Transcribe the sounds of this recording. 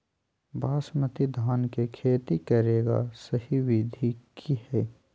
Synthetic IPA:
baːsmət̪id̪ʱaːnkekʰeːt̪ikɐɾeːɡa̰səhiʋid̪ʱikʰihɛː

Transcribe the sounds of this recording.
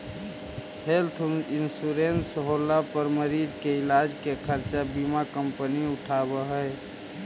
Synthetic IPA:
helt̪ʰinsuɾensɦolapəɾməɾid͡ʒkeilad͡ʒkekʰəɾt͡ʃabimakəmpəniuʈʰabəɦəe

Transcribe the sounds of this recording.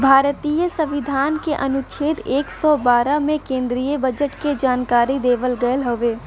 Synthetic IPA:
bʱaːɾt̪iːjəsəʋɪd̪ʱaːnkeʔɐnʊt͡ʃʰeːt̪eːksɔbaːɾamẽkẽːnd̪ɾijəbəd͡ʒəʈked͡ʒaːnkaːɾid̪eːʋəlɡəəlɦoʋeː

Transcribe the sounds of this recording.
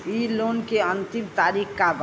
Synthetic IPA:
ilonkeənt̪imt̪aːɾikkab

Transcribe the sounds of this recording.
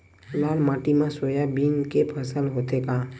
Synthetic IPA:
lalmaːʈimãsojabinkepʰəsəlɦot̪eka

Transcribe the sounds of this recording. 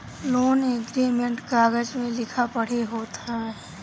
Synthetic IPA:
loːneɡɾimẽɳʈkaːɡəd͡ʒmẽlɪkʰapɐɽ̤eɦoːt̪aɦɛː

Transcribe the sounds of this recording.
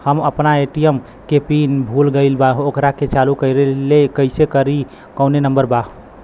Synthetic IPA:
həməpnaeʈijəm | kepinbʱulɡəɪlbaɦokɾaket͡ʃalukəɪɾelekəɪsekəɾi | kəwnenəmbəɾbaɦ

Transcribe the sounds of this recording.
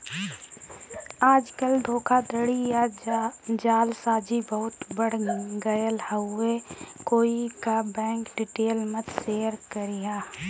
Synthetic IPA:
aːd͡ʒkəlɖ̪ʱoːkʰad̪əɽija | d͡ʒaːlsaːd͡ʒibəɦʊt̪bəɽ̤ɡəjəlhəʊekoːikabɛ̃ːŋkɖɪʈeːlmət̪seːəɾkəɾɪjaː

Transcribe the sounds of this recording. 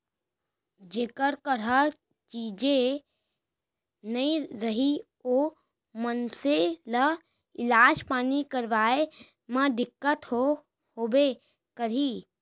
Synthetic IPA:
d͡ʒeːkəɾkəɾə | t͡ʃiːd͡ʒe | nəĩɾəɦi | o | mənselə | ɪlaːd͡ʒpaːnikəɾʋaːe | mãd̪ɪkːət̪ɦo | hoːbe | kəɾiː

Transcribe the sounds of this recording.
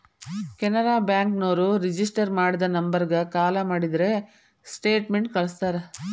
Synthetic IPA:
kɛnɐɾaːbjaːŋknoːɾuɾid͡ʒis̬ʈɐɾmaːɽid̪ɐnɐmbɐɾɡɐkaːlɐmaːɽid̪ɾe̞ | sʈeːʈmeɳʈkɐɭɐst̪aːɾe

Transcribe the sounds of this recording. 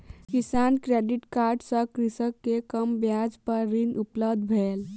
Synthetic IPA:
kisankɾeɖiʈkaɾɖsə̃kɾisəkːekəmbjad͡ʒpəɾːinupləbd̪ʱbʱel

